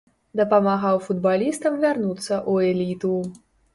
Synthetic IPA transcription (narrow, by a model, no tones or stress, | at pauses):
d̪ɐpɐmaɣawfud̪balʲist̪ɐmvʲarnut̪sːɐʔuɛlʲit̪u